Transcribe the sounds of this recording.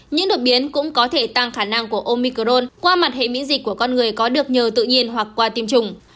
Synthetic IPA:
ɲɨ̰˧˥ŋɗo˨˩t̚ɓi˨˦ənkʊ̰˧˥ŋ͡mkɔ˨˦t̪ʰe˧˩t̪a˧ŋxaː˧˩na˧ŋku˧˩əʔo˧mi˧ko˧˩ɗo˧nkwaː˧ma˨˩t̚he˧˩mḭ˧˥nzï˨˩k̚kːu˧˩əkɔ˧nŋɨ˨˩əjkɔ˨˦ɗɨ˨˩ək̚ɲəː˨˩wt̪ɨ̰˧˨ɲi˧ənɦwa˨˩kːwaː˧t̪i˧əmt͡ɕʊ˨˩ŋ͡m

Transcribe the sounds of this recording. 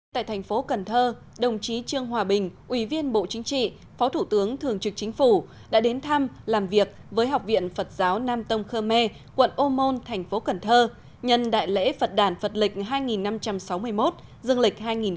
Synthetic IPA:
t̪a̰ː˧˨jt̪ʰɛ˨˩jŋ̟fo˨˦kə˨˩nt̪ʰəː˧ | ɗə˨˩wŋ͡mt͡ɕi˨˦t͡ɕɨ˧əŋɦwaː˨˩ɓï˨˩ŋ̟ʔwi˧˩vi˧ənɓo̰˧˨t͡ɕï˨˦ŋt͡ɕḭ˧˨ | fɔ˨˦wt̪ʰu˧˩t̪ɨ˨˦əŋt̪ʰɨ˨˩əŋt͡ɕɨ˨˩k̚t͡ɕï˨˦ŋ̟fu˧˩ | ɗa̰ː˧˥ɗe˨˦nt̪ʰa˧mlaː˨˩mvi˨˩ək̚vəː˨˦jɦa˨˩wk͡p̚vḭ˧˨ənfə˨˩t̚zaː˨˦wnaː˧mt̪ə˧ŋ͡mxəː˧mɛ˧ | kwə̰˧˨nʔo˧mo˧nt̪ʰɛ˨˩ŋ̟fo˨˦kə˨˩nt̪ʰəː˧ | ɲə˧˨nɗa̰ː˧˨jlḛ˧˥fə˨˩t̚ɗaː˧˩nfə˨˩t̚lï˨˩k̟̚ɦaː˧jŋi˨˩nːa˧mt͡ɕa˧msa˨˦wmɨ˧əjmo˦˥t̚ | zə˧ŋlï˨˩k̟̚ɦaː˧jŋi˨˩n

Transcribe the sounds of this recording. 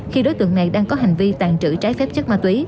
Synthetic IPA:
xi˧ɗo˨˦jt̪ɨ̰˧˨əŋna˨˩jɗaː˧ŋkɔ˨˦ɦa˨˩jŋ̟vi˧t̪aː˨˩ŋt͡ɕɨ̰˧˩t͡ɕaː˨˦jfɛ˦˥p̚t͡ɕə˦˥t̚maː˧˩t̪wi˨˦

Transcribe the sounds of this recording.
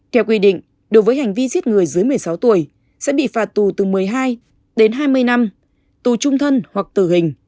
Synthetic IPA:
t̪ʰɛ˧˩wk̬wi˧ɗḭ̈˧˨ŋ̟ | ɗo˨˦jvəː˨˦jha˨˩jŋ̟vi˧zi˦˥ət̚ŋɨ˨˩əjzɨ˨˦jmɨ˨˩əjsa˨˦wt̪u˧˩əj | sɛ̰˧˥ɓḭ˧˨faː˨˩t̚t̪u˨˩t̪ɨ˨˩mɨ˨˩əjɦaː˧j | ɗe˨˦nɦaː˧jmɨ˧əjna˧m | t̪u˨˩t͡ɕʊ˧ŋ͡mt̪ʰə˧nhwa˨˩k̚t̪ɨ˧˩hï˨˩ŋ̟

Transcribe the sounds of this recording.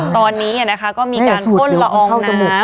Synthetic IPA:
tt̪ɔː˧nːiː˦˥a˨˩na˦˥kʰa˦˥kɔː˥˩miː˧˥˩aː˨˩˧su˨˩˥di˩˦a˧ʔɔː˧kʰa˥˩wt͡ɕa˧bo˨˩

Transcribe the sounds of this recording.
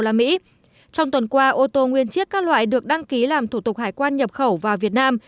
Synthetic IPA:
laː˨˩mḭ˧˥ | t͡ɕɔ˧wŋ͡mt̪wə˨˩nkwaː˧ʔo˧t̪o˧ŋwi˧ənt͡ɕi˦˥ək̚kaː˦˥k̚lwa̰ː˧˨jɗɨ˨˩ək̚ɗa˧ŋki˨˦laː˨˩mt̪ʰu˧˩t̪ʊ˨˩k̚haː˨˩jkwaː˧nɲə˨˩p̚xə˧˩wvaː˨˩vi˨˩ət̚naː˧m

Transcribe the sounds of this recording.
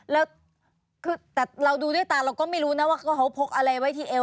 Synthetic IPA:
lɛː˦˥w | kʰɯː˧t̪ɛː˨˩ɾa˧wduː˧duː˥˩jt̪aː˧˩ɾa˧wkɔː˥˩ma˥˩jɾuː˦˥na˦˥waː˥˩kʰa˦˥˩kʰa˦˥wpʰo˦˥k̚ʔa˧ɾa˧jwa˦˥jt̪ʰiː˥˩ʔe˧

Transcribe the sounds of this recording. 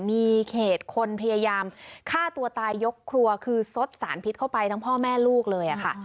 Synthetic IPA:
miː˧kʰeː˨˩t̪̚kʰo˧npʰa˧jaː˧jaː˧mkʰaː˥˩t̪u˧ɐt̪aː˧jːo˦˥kʰːɾu˧ɐkʰɯː˧so˦˥t̪̚sa̰ː˩˦npʰi˦˥t̪̚kʰa˥˩wpa˧jt̪ʰa˦˥ŋpʰɔː˥˩mɛː˥˩luː˥˩k̚lɤː˧jʔa˨˩kʰa˥˩ʔ

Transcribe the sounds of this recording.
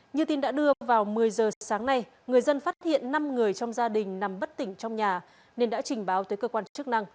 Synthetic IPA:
ɲɨ˧t̪i˧nɗa̰ː˧˥ɗɨ˧əvaː˨˩wmɨ˨˩əjzəː˨˩saː˨˦ŋna˧j | ŋɨ˨˩əjzə˧nfaː˦˥t̚hḭ˧˨ənːa˧mŋɨ˨˩əjt͡ɕɔ˧wŋ͡mzaː˧ɗï˨˩ŋ̟na˨˩mɓə˦˥t̚t̪ï˧˩ŋ̟t͡ɕɔ˧wŋ͡mɲaː˨˩ | ne˧nɗa̰ː˧˥t͡ɕï˨˩ŋ̟ɓaː˨˦wt̪əː˨˦jkəː˧kwaː˧nt͡ɕɨ˦˥ək̚na˧ŋ

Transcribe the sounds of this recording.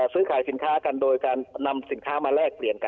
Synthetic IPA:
sɯː˦˥kʰaː˩˦jsi˩˦nkʰaː˦˥ka˧ndoː˧jkaː˧nːa˧msi˨˩˦nkʰaː˦˥˩maː˧ɾɛː˥˩k̚pli˨˩ənka˧

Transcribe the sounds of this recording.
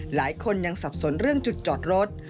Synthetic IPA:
laː˩˦jkʰo˧nja˧ŋsa˨˩p̚so˩˦nɾɯ˥˩əŋt͡ɕu˨˩t̪̚t͡ɕɔː˨˩t̪̚ɾo˦˥t̪̚

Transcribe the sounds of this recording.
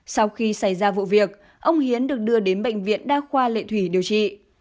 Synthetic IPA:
sa˧wxi˧sa˧˩jzaː˧vṵ˧˨vi˨˩ək̚ | ʔə˧wŋ͡mhi˨˦ənɗɨ˨˩ək̚ɗɨ˧əɗe˨˦nɓə̰˧˨jŋ̟vḭ˧˨ənɗaː˧xwaː˧lḛ˧˨t̪ʰwi˧˩ɗi˨˩əwt͡ɕḭ˧˨

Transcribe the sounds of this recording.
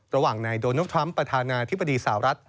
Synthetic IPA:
ɾa˧waː˨˩ŋnaː˧jdoː˧na˥t̪ʰɾa˦˥mpɾa˧t̪ʰaː˧naː˧t̪ʰi˦˥bːa˧diː˧sa˨˩a˦ɾa˦˥t̪̚

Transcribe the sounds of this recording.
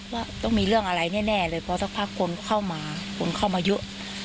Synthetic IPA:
waː˥˩t̪ɔ˥˩ŋmiː˧ɾɯ˥˩əŋʔa˧ɾa˧jnɛː˥˩nɛː˥˩lɤː˧jpʰɔː˧t̪ʰaː˧˩pʰaː˥˩kʰːo˧nkʰa˥˩wmaː˧kʰo˧nkʰa˥˩wmaː˧jɤ˦˥ʔ

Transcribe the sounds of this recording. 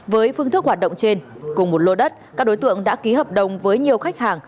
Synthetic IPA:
vəː˨˦jfɨ˧əŋt̪ʰəkhwaː˨˩t̚ɗə̰˧˨ŋ͡mt͡ɕe˧n | kʊ˨˩ŋ͡mmo˨˩t̚lo˧ɗə˦˥t̚kkaː˦˥k̚ɗo˨˦jt̪ɨ̰˧˨əŋɗa̰ː˧˥ki˨˦həː˨˩p̚ɗə˨˩wŋ͡mvəː˨˦jɲi˨˩əwxa˦˥jk̟̚haː˨˩ŋ

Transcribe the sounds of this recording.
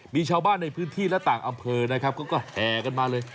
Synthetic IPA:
miː˧t͡ɕʰaː˧wbaː˥˩nːa˧jpʰɯː˦˥nt̪ʰiː˥˩lɛ˦˥t̪aː˨˩ŋʔa˧mpʰɤː˧na˦˥kʰa˦˥p̚kɔː˥˩kɔː˥˩hɛː˨˩ka˧nmaː˧lɤː˧j

